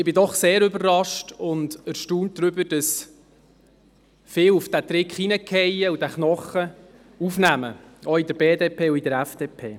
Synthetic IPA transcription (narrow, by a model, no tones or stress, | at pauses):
ɪbɪdɔχseːɾʏbərːɑʃtʊndəɾʃtuːnt̚d̥ɾʏbəd̥ɑs | fɪːlufd̥æt̪ɾɪkχinəkʰɛjəudæχnɔχə | ufnæməɔidəɾbeːdeːpʰeːuidəɾæfd̥eːpʰeː